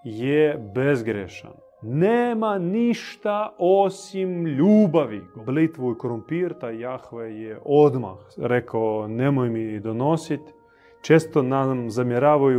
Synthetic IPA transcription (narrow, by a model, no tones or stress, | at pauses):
jebezɡɾeʃa̰n | neːmaniʃt̪aosimʎuːbaʋiblit̪ʋuikoɾumpiːɾt̪ajaxʋejeʔod̪ma̰xɾekaonemojmid̪onosit̪ | t͡ʃeːst̪onamzamjeɾaːʋaju